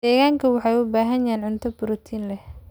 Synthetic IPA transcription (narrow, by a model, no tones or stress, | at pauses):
d̪̥ɛːɣaːŋkʰɐwɑħɑjʊbaːɦɐnjɛːnʕʊnt̪ʰɐbʊɾɔt̪ʰiːnlɛh